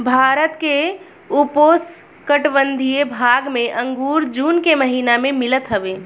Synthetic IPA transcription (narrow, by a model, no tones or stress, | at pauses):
bʱaːɾət̪ke | upoːs | kəʈʋə̃nd̪ʱijebʱaːɡmẽʔə̃ŋɡuːɾd͡ʒuːnkeməɦiːnamẽmɪlət̪ɦəʋeː